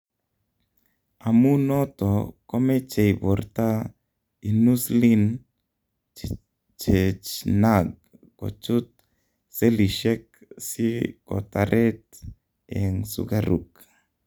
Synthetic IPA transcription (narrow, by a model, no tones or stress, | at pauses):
amunot̪okomet͡ʃejboɾt̪a | inuslin | t͡ʃet͡ʃnaɡ̚ː | o̰t͡ʃut̪̚ | seliʃek̚siko̰t̪aɾʔet̪̚ | eŋsṵɡaɾṵk